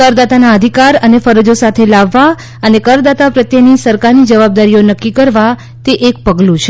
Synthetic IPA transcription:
kəɾd̪at̪anaəd̪ʱikaɾənefəɾəd͡ʒosat̪ʰelaʋːa | ənekəɾd̪at̪apɾət̪jənisəɾkaɾnid͡ʒəʋab̚d̪aɾijonəkːikəɾʋa | t̪eʔek̚pəɡlũt͡ʃʰe

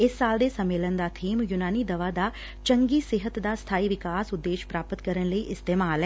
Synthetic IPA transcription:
ɪsːaːld̪eːsəmːeːlənd̪aːt̪ʰiːmjʊnaːniːd̪əʋaːd̪aː | t͡ʃəŋɡiːsɪɦət̪d̪aːst̪ʰaːiːʋɪkaːsʊd̪ːeːʃpɾaːpət̪kəɾənləiːʔɪst̪eːmaːlɦɛː

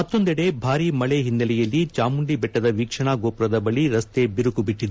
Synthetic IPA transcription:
mɐt̪ːo̞nd̪ɛɽe̞bʱaːɾimɐɭeɦinːɐlɛjɐlːit͡ʃaːmuɳɖibɛʈːɐd̪ɐʋiːkʂɐɳaːɡoːpɾɐd̪ɐbɐɭiɾɐst̪e̞biɾukubiʈːid̪

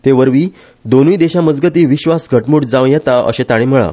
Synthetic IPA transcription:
t̪eʋəɾʋiː | d̪onujd̪eɕaməd͡zɡət̪iːʋiɕʋasɡʱəʈmuʈd͡zãʋjɛt̪aə̰ɕẽt̪aɽ̃em̤əɭa̰

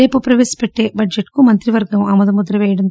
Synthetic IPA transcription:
eːpɐpɾɐʋeːsɐ̥peʈːebɐɖd͡ʒeʈkumɐnt̪ɾiʋɐɾɡɐmɐmɐd̪ɐmud̪ɾɐʋeːɽɐn

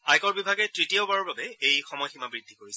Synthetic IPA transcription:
ajkɔɹbibʱaɡɛtɹitijoʊbaɹɔbabɛejxɔmɔjximabɹidʱikoɹisɛ

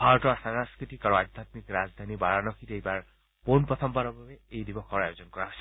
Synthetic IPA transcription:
bʱaɾɔʈɔsaŋaskɾit̪ikaɾõad̪ʱjat̪mikɾad͡zd̪ʱanibaɭanɔkʰit̪ejbaɹ | ponpɹɔt̪ʰɔmbaɾɔbʱabeejd̪ibɔkʰɔɾajod͡ʒɔnkɔɾaɦojsʰi

